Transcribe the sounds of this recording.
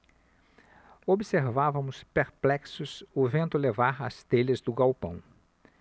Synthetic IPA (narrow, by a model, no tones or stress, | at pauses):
obseɾvavɐ̃mʊspeɾplɛksʊsʊvẽnt̪ʊlevaɾa̰st̪elɐzd̪ʊɡawpɐ̰̃w̃